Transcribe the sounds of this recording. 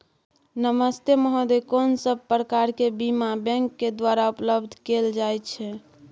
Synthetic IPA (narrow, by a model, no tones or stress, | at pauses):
nəməst̪eməɦod̪ekonsəb̚pɾəkaɾkebimabɛ̃ŋkːed̪waɾaupləbd̪ʱkeld͡ʒajt̪t͡ʃʰɛ